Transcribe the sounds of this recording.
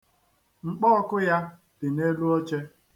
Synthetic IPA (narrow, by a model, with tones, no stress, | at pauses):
ŋ͡m̩˨k͡pɔ˦ɔ˦kʊ˦ja˦ | d̥ɪ˨ne˦lu˦o˦t͡ʃe˦